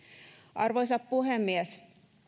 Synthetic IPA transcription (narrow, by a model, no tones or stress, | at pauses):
ʔɑ̰rʋoisɑppuhemːies